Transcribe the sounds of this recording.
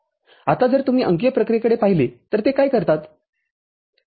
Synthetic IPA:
at̪ad͡zəɾt̪um̤iːʔəŋkjəpɾəkɾekəɽepaɦilet̪əɾt̪ekajkəɾt̪at̪

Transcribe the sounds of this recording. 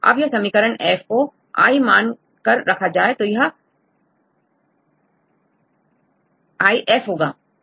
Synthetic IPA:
ɐ̰bjɐɦsɐmikəɾəɳʔeːfko | a̰ːimaːn | kɐɾːɐkʰad͡ʑaːet̪oːjɦə | aːiʔeːfɦoːɡaː

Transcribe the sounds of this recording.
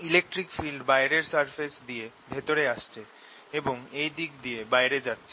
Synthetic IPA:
ilek̚ʈɾikfilɖbaeɾeɾsaɾfesd̪ije | bʱet̪oɾeaʃt͡ɕʰe | eboŋejd̪ikd̪iebajɾed͡ʑat̪ːɕʰe

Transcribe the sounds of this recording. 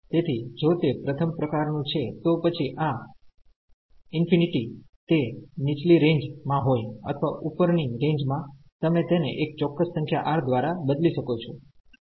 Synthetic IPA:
t̪et̪ʰid͡ʒot̪epɾət̪ʰəmpɾəkaɾnũt͡ʃʰet̪opət͡ʃʰiʔa | ɪnfiniʈi | t̪enit͡ʃliɾẽɲd͡ʒmãɦojə̰t̪ʰəʋaʔupəɾniɾẽɲd͡ʒmã | t̪əmẽt̪enḛʔek̚t͡ʃɔkːəssə̃ŋkʰjaʔaɾd̪ʋaɾabəd̪liʃəkot͡ʃʰo

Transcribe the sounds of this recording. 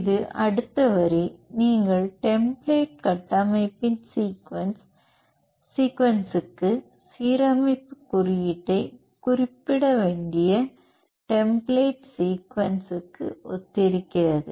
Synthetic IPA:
ðɯʔɐɽɯt̪ːɐʋɐɾiniːŋɡɐɭʈɛmbleɪʈ̚kɐʈːɐmɐɪpːɪnsiːkʋɐnsː | iːkʋɐnsɯkːɯ | siːɾɐmɐɪpːɯkʊrɪjɪʈːɐɪ | kʊrɪpːɪɽɐʋeːɳɖɪjɐ | ʈɛmbleɪʈsiːkʋɐnsɯkːɯ̰ʔɔ̰t̪ːɪɾɯkːɪrɐðɯ̰

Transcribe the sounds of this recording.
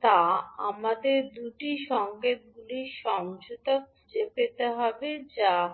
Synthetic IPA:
t̪aamad̪eɾd̪uʈiʃɔŋket̪̚ɡuliʃɔŋʃut̪ok̚ | d͡ʑepet̪eɦɔbed͡ʑa

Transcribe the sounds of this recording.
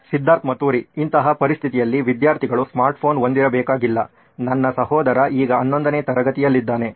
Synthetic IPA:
sid̪ʱːaːɾt̪mɐt̪uːɾiːnt̪ɐɦɐpɐɾist̪ʰit̪ijɐlːiʋid̪jaːɾt̪ʰiɡɐɭusmaːɾʈpʰo̞ːnond̪iɾɐbɛːkaːɡilːɐ | nɐnːɐsɐɦɔːd̪ɐɾɐʔiːɡɐːnːo̞nd̪ɐneːt̪ɐɾɐɡɐt̪ijɐlːid̪ːaːne̞

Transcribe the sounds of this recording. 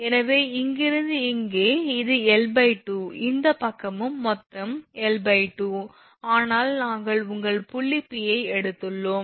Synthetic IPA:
ɛnɐʋeːɪŋɡɪɾɐðɯɪŋɡeːɪðɯɛlbɐɪʈːɯɪnd̪ɐpɐkːɐmɯmːɔt̪rɐmɛlbɐɪʈːu | aːnaːlnaːŋɡɐɭʊŋɡɐɭpʊɭːɪpːɪjɐɪɛɽɯt̪ːɯɭːoːm

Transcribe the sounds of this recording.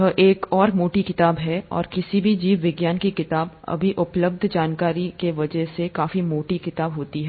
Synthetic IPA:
ɦəʔeːkɔːɾmoːʈikɪt̪aːbɦɛɔ̰ːɾkɪsibʱid͡ʒiːʋʋɪɡjaːnkikɪt̪aːb | ɐ̰bʱiʔʊpləb̚d̪ʱd͡ʒaːnkaːɾikeʋɐd͡ʒəɦsekaːfimoːʈikɪt̪aːbɦoːt̪iɦɛ

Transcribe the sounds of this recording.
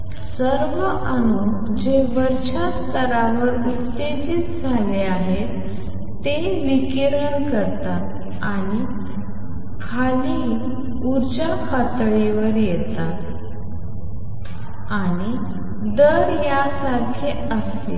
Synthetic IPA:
səɾʋəʔənuk | d͡ʑeʋəɾt͡ɕast̪əɾaʋəɾut̪ːed͡ʑit̪d͡zʱaleaɦet̪ː | e | ʋikiɾəɳkəɾt̪at̪ | aɽ̃i | kʰaliː | uɾd͡ʑafat̪ɭiʋəɾjɛt̪at̪ | aɽ̃i | d̪əɾjasaɾkʰe | əs | ḛ

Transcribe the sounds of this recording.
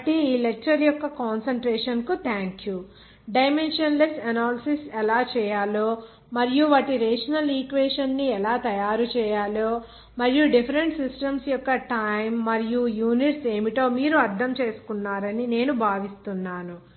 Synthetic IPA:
ɐʈiiːlek̚t͡ʃɐɾjɔkːɐkaːnsɐɳʈɾeːʂɐnkut̪ʰaːŋkju | ɖɐjmenʂɐnlesʈɐnaːlisisɛlaːt͡ʃɛːjaːloː | mɐɾijuʋaːʈiɾeːʂɐnɐliːkʋeːʂɐnːiɛlaːt̪ɐjaːɾut͡ʃɛːjaːloː | mɐɾijuɖipʰɐɾeɳʈsisʈɐmsjɔkːɐʈɐjmːɐɾijujuːniʈse̞ːmiʈoːmiːɾuɐɾd̪ʱɐmt͡ʃe̞ːsu̥kunːaːɾɐnine̞ːnubʱaːʋist̪unːaːnu

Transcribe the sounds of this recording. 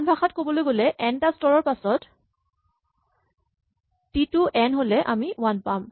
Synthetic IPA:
nbʱaxatkobɔlojɡolɛʔɛntastɔɹɔɹpasɔt | tituʔɛnɦolɛʔamiwanpam

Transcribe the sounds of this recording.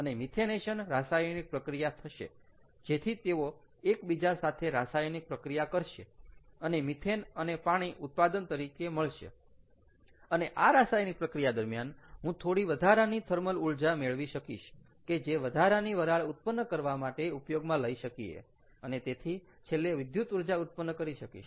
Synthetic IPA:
ənemit̪ʰeneʃənɾasajnik̚pɾəkɾijat̪ʰəʃḛ | d͡ʒet̪ʰit̪eo | ekbid͡ʒasat̪ʰeɾasajnik̚pɾəkɾijakəɾʃḛənemit̪ʰenənepaɽ̃iʔut̪̚pad̪ənt̪əɾikeməɭʃḛ | əneʔaɾasajnipɾəkɾijad̪əɾmjanɦũt̪ʰoɽiʋəd̪ʱaɾanit̪ʰəɾməluɭd͡ʒameɭʋiʃəkḭʃ | ked͡ʒeʋəd̪ʱaɾaniʋəɾaɭut̪̚pənːəkəɾʋamaʈeupjoɡmãləiʃəkiḛ | ənet̪et̪ʰi | t͡ʃʰelːeʋɪd̪jut̪uɾd͡ʒaut̪̚pənːəkəɾiʃəkḭʃ

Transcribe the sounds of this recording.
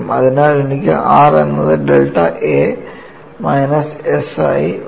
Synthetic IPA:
mɐðinaːlunikʲːɐ̰ʔaːrenːɐðɨɖelʈːɐ̰ʔeː | mɐjnɐsesa̰ːi

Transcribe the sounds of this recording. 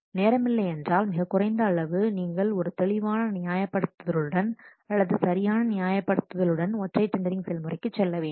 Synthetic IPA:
neːɾɐmɪlːɐɪɛndraːlmɪɣɐkːʊrɐɪnd̪ɐːɭɐʋɯniːŋɡɐɭɔɾɯt̪ɛɭɪʋaːnɐnɪjaːjɐpːɐɽɯt̪ːɐðɐɭɯɽɐn | ɐlːɐðɯsɐɾɪjaːnɐnɪjaːjɐpːɐɽɯt̪ːɐðɐlɯɽɐnɔʈrɐɪt͡ʃːɐnd̪ɐɾɪŋsɛlmɯrɐɪkːɯt͡ʃːɛlːɐʋeːn

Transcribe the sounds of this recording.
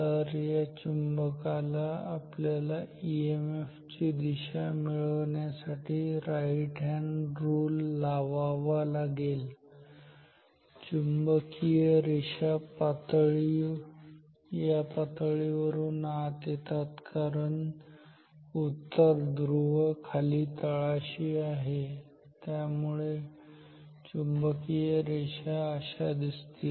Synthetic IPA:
əɾjat͡ɕumbəkalaːpljalaiemeft͡ɕid̪iɕamiɭəʋɳjasaʈʰiːɾajʈʰãɳɾuːlːaʋaʋalaɡel | t͡ɕumbəkijeɾiɕapat̪ɭi | japat̪ɭiʋəɾuːnat̪et̪at̪kaɾəɳ | ut̪ːəɾd̪ɾuʋəkʰaliːt̪əɭaɕiːaɦe | t̪jamuɭe | t͡ɕumbəkijəɾeɕaəɕad̪ist̪iː

